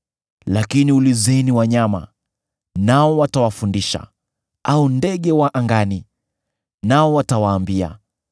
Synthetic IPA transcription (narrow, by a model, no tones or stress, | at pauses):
lakiniulizɛniwaɲama̰ | naɔwatawafundiʃa̰ | aundɛɠɛwaʔaŋɡani | naɔwatawaːmbia̰